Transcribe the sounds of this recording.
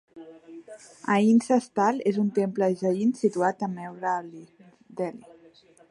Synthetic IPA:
ainsəst̪alezunt̪empləʒainsit̪uat̪əmewɾali | d̪ɛli

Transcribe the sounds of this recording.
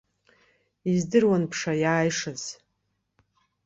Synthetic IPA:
izdɨrwanpʰʂajaːjʂaz̥

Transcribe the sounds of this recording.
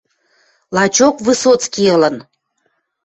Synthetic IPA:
lɑt͡ɕokβɨsot͡skiələ̆n

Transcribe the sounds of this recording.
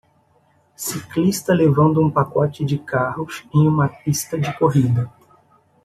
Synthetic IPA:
siklist̪ɐlevɐ̃nd̪ʊũpakɔt͡ʃɪd͡ʒɪkahʊsẽj̃ũmɐpist̪ɐd͡ʒɪkoɦid̪ɐ

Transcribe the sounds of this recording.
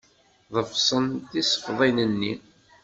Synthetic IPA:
ðˤəfsˤənt̪isˤə̥fðˤinənːi

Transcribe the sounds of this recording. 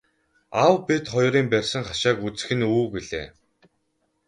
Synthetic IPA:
awpet̪χɔjɾiːmpærʲsə̆ŋχaʃaːkut͡sɘ̥̆xɘ̆nuːɡiɮḛː

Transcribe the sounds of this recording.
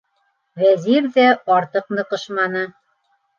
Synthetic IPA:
βæzirðæɑɾt̪ɤqnɤ̆qɤ̆ʃmɑnɤ̆

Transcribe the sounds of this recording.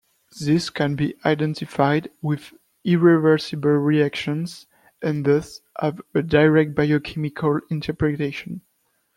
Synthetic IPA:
ðɪskʰɛ̃nbiʔajdɛ̃ntʰifajdwɪð | iɹɛvə˞sibəlɹiækʃɔ̃nz | ʔɛ̃nðozʔɔvədaɹɛk̚t̚b̥ajokʰɛmikʰalĩntʰɛ˞pɹɛteʃɔ̃n

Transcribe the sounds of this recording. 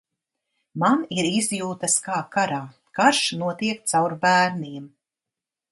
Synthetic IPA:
maniɾizjuːt̪askaːkaɾaː | kaɾʃnuɔt̪iɛk̚t̪sawɾbæːɾniɛm

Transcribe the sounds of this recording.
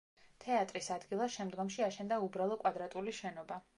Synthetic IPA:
t̪ʰɛat̪ʼɾisad̪ɡilˠaʃɛmd̪ɡɔmʃiaʃɛnd̪aubɾalˠɔkʼwad̪ɾat̪ʼuliʃɛnɔba

